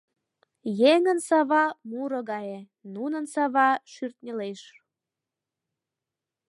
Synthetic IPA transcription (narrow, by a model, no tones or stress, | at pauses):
jeŋənsɑβɑmuɾɤ̆ɣɑje | nunənsɑβɑʃyrt̪̚nʲeleʃ